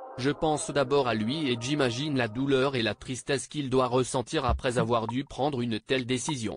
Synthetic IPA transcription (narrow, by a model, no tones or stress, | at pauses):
ʒəpɑ̃sd̪abɔʁalɥieʒimaʒinlad̪ulœʁelat̪χist̪ɛskild̪waʁəsɑ̃t̪iʁapχɛzavwaʁd̪ypχɑ̃d̪ʁynt̪ɛld̪esizjɔ̰̃